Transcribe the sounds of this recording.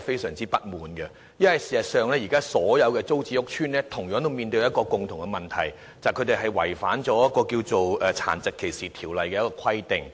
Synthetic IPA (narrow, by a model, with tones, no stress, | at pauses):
fe˥jsœː˨˩ŋt͡siː˥pɐ˥t̚muː˨nɡɛ˧ | jɐ˥nhɐ˨jsi̥ː˨˩sɐ˨tsœː˨˧ŋlɛː˥jiː˨˩kaː˥sɔː˨˥jɐ˨˧wkɛː˧t͡so˥wt͡siː˧ʊ˥k̚t͡ʃʰyː˥nlɛː˥t̪ʰʊ˨˩ŋjœː˨˥ŋt̪o˥wmiː˨˧nt̪ɵ˧jɐ˥t̚kɔː˧kʊ˨ŋt̪ʰʊ˨˩ŋkɛ˧mɐ˨nt̪ʰɐ̰˨˩j | t͡sɐ˨jkʰɵ˨˧t̪e˨jɦɐ˨jwɐ̰˨˩jfaː˨˥nt͡ʃɔː˨˥jɐ˥t̚kːɔː˧kiː˧wt͡so˨wɛ˨t͡sʰa̰ː˨˩nt͡sɪ˨kʰːe˨˩jsiː˨t̪ʰiː˨˩wlɐ˨jkɛː˧jɐ˥kɔː˧kʰɐ˥jt̪ɪ˨ŋ